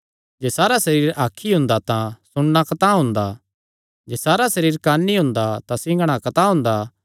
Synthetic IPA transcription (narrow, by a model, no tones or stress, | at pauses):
d͡ʒeːsaːɾasɐɾiːɾaːkʰːiɦʊ̃nd̪at̪ãsʊɽnakɐt̪aɦʊ̃nd̪a | d͡ʒeːsaːɾasɐɾiːɾkaːnːiɦʊ̃nd̪at̪ãsɪ̃ɡəɽ̃akɐt̪aɦʊ̃nd̪a